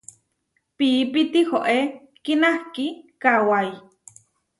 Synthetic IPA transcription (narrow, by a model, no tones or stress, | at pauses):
pipit̪ihoʔe | kinahkikawaj